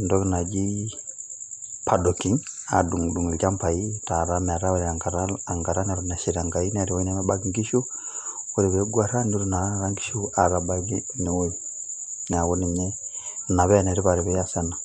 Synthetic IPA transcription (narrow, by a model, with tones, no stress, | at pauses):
ndɔ˦kina˨d͡ʒi˦ | pʰadɔkiŋa̰du˨ŋdu˨ŋi˨lt͡ʃa˦mpa˨ita˨ɾa˦mɛ˨ɾa˦uɾiaŋɡaɾaaŋɡa˨ɾa˦nɛɾuna˨ʃiɾa˨ŋɡa˨i˦nɛ˨ɾi˨wɔi˦nɛmɛba˦ɡiŋɡi˦ʃu˦ | u˦ɾi˨βɛ˨ɡwa˨ɾa˦ni˦ɾuna˨ɾa˦ŋɡi̥˦ʃu˦a˨ɾabaɡi˦ni˨wui | na˨wu˦ni˨mɛ˦na˨βɛnɛ˨ɾi˦βa˨ɾi˨βɛa˦sa˦na